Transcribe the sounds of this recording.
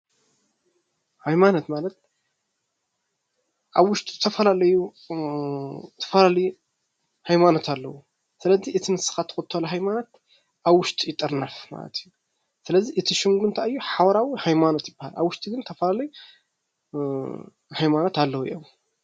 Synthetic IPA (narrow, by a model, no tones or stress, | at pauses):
hajmanot̪malɐt̪̚ | ʔaβwʊʃt̪ʼizɨt̪ʰɐfɐlalɐju | t̪ʰɐ̥fɐlalɐju | hajmano̞t̪ʰalːɐwu | sɨlɐziʔɨt̪ʰinɨsɨ̥xat̪ʰːɨ̥xot̪ʰːolɐɦajmanot̪ | ʔaβwʊʃt̪ʼijɪt̪ʼːɨɾnɐfma̰lɐ̰t̪ʰɨjːu | sɨlɐzːiʔɨt̪ʰiʃɨŋɡunt̪ʰaɨjːuħawɐɾawihajmanot̪jɪbːaha̰la̰βwʊʃt̪ʼiɡɨnt̪ʰɐfɐlalɐju | hajmano̞t̪alːɐwujḭʔom